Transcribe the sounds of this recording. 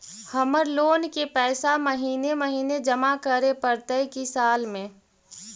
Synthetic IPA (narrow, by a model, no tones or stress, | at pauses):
həməɾloːnkepɛːsaməɦiːneməɦiːned͡ʒəmakəɾepəɾt̪əjkisaːlmẽː